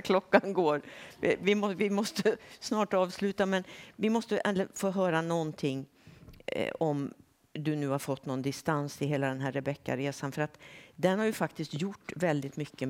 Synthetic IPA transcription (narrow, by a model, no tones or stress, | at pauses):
kʰlɔkːanɡoːɾɪvɪmɔvɪmɔst̪əsnɑːʈɑːvslʉ̟ːt̪amɛnvɪmɔst̪əʔɛnlfoːɦœːɾanɔnt̪ʰɪŋ̰ː | ɔm | d̪ɵnʉ̟ːhaɾfɔt̪ːnɔnd̪ɪst̪ansɪɦeːlad̪ɛnɦæɾɛbɛkːa̰ɾeːsanfœɾat̪d̪ɛnhaɾjɵfak̚t̪ɪst̪jʊʈːvɛld̪ɪt̪mʏkːə